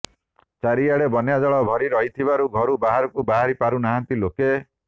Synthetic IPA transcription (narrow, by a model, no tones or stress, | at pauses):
t͡ʃaɾiaɽebɔnjad͡ʒɔɭɔbʱɔɾiɾɔɦit̪ʰibaɾuɡʱɔɾubaɦaɾɔkubaɦaɾipaɾunaɦant̪iloke